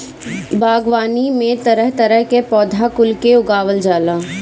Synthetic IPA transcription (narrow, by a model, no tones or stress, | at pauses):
baːɡʋaːnimẽt̪ɐɾəɦt̪ɐɾəɦkepɔːd̪ʱakʊlkeʊɡaːʋəld͡ʒaːlaː